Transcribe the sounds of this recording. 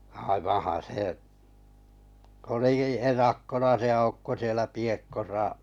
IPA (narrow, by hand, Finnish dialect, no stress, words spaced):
ɑiʋɑ̃ːhɑ̃ː seˑ oliki erɑkːonɑ se ɑukːo sielæ piekːosɑ